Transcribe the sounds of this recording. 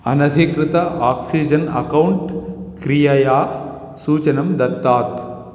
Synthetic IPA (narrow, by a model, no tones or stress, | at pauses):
ɐnɐd̪ʱikɾɪt̪ɐʔaːksid͡ʒɐnɐ̰kɐwɳʈkɾijɐjaː | suːt͡ʃɐnɐmd̪ɐɾt̪ːaːt̪